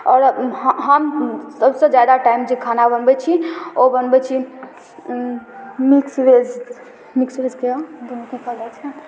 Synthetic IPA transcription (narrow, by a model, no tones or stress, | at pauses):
ɔːɾɦɦəmsəbsə̃d͡ʒad̪aʈaimd͡ʒekʰanabənbɛt͡ʃʰiobənbɛt͡ʃʰi | miksʋed͡ʒ | miksʋed͡ʒkeod̪unukikəlɛt͡ʃʰɛ